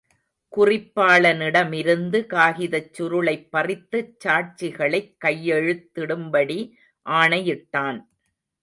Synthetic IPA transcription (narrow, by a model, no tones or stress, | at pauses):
kʊrɪpːaːɭɐnɪɽɐmɪɾɯnd̪ɯkaːɣɪðɐt͡ʃːʊɾɯɭɐɪpːɐrɪt̪ːɯt͡ʃːaːʈ̚t͡ʃɪɣɐɭɐɪkːɐjːɛɻɯt̪ːɪɽɯmbɐɽi | ʔaːɳɐjɪʈːaːn